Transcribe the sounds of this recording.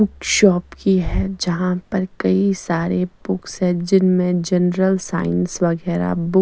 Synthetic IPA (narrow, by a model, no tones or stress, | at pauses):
ʊkʃɔːpkiɦɛd͡ʒɐɦãpɐɾkɐisaːɾebʊksɦɛ̃d͡ʒɪnmẽd͡ʒɐnɾəlsa̰ːɪnsʋɐɡɛːɾa̰bʊ